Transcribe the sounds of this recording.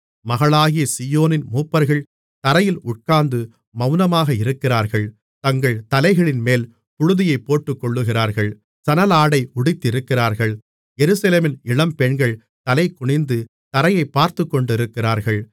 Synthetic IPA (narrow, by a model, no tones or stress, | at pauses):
mɐɣɐɭaːɣɪjɐsijoːnɪnmuːpːɐɾɣɐɭ | t̪ɐɾɐjɪlʊʈ̚kaːnd̪ɯ | mɐʊnɐmaːɣɐɪɾɯkːɪraːɾɣɐɭ | t̪ɐŋɡɐɭt̪ɐlɐɪɣɐɭɪnmeːl | pʊɻʊðɪjɐɪpːoːʈːɯkːɔɭːɯɣɪraːɾɣɐɭ | sɐnɐlaːɽɐɪʊɽɪt̪ːɪɾɯkːɪraːɾɣɐɭ | jɛɾɯsɐleːmɪnɪɭɐmpɛɳɡɐɭ | t̪ɐlɐɪkʊɳɪnd̪ɯ | t̪ɐɾɐjɐɪpːaːɾt̪ɯkːɔɳɖɪɾɯkːɪraːɾɣɐɭ